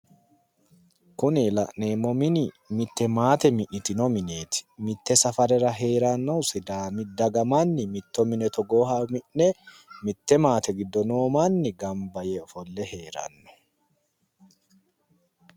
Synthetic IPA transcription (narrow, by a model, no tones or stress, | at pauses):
kʊnɪlɐ̰ʔne̞ːmːɔmɪnɪ | mɪt̪ːɛmaːt̪ɛmɪʔnɪt̪ɪnɔmɪne̞ːt̪ɪ̥mɪt̪ːɛsɐfɐɾɛɾɐɦe̞ːɾɐnːɐwsɪd̪aːmɪd̪ɐɡɐmanːɪmɪt̪ːɔmɪnɛt̪ɔɡo̞ːhɐmɪʔnɛ | mɪt̪ːɛmaːt̪ɛɡɪd̪ːɔno̞ːmanːɪɡɐmbɐjɛɔfɔlːɛɦe̞ːɾɐ̰nːɔ̥